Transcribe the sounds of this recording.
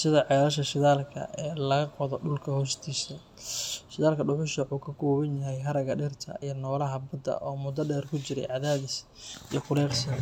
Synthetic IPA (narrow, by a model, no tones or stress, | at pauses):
sɪðɐʕɛːɾɐʃ̬ɐʃɪðaːlkʰɐ̰ɛːlɐɣɐqɔðɔɖʊlkʰɐhɔːst̪ʰiːsɐ | ʃɪðaːlkʰɐɖʊħʊʃɐħuːkʰɐkʰɔːβɐnjɐɦɛjɦɐɾɐɣɐɖɪrt̪ʰɐ̰ʔijɞnɔːlɐɦɐbɐd̪ɐ̰ʔɔːmʊd̪ɐɖɛːrkʰʊt͡ʃɪɾɛ̰jʕɑðaːðɪs | ḭjɞkʰʊɾɛːqsɐ